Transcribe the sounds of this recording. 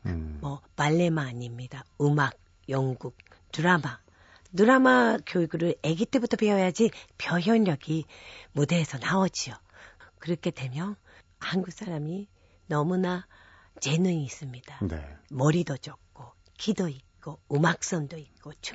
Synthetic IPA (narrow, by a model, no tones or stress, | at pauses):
mʌpaɭːe̞maːɲimɲidaɯmaɡ̚ | jʌŋɡuk̚ | tuɾama | nuɾamakjoiɡuɾɯɾe̞ɡit͈ʰebutʰʌpeʌjad͡ʑipjʌɦjʌnjʌɡimude̞ːsʰʌnaʌd͡ʑio | kɯɾʌkʰe̞dwe̞mjʌ | hanɡuk̚s͈ʰaɾami | nʌmuna | t͡ɕe̞nɯɲiːs͈ɯmɲid̥anḛmʌɾidʌd͡ʑʌk̚k͈o | kʰidoit̚k͈oɯmak̚s͈ʌndoit̚k͈ot͡ɕʰ